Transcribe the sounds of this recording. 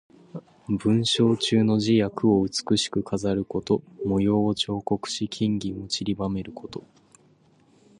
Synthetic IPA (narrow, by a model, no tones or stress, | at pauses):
bɯ̟̃ɰ̃ɕo̞ːt͡ɕɨːno̞ʑijakɯ̟o̞ɯ̟t͡sɨ̥kɯ̟ɕi̥kɯ̟kʰazaɾɯ̟ko̞t̪o̞mo̞jo̞ːt͡ɕo̞ːko̞kɯ̟̥ɕikʲʰĩŋɡʲiot͡ɕiɾʲibame̞ɾɯ̟kʰo̞t̪o̞